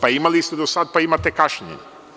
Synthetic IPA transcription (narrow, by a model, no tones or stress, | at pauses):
paimalist̪ed̪osad̪̚paimat̪ekaʃɲḛɲ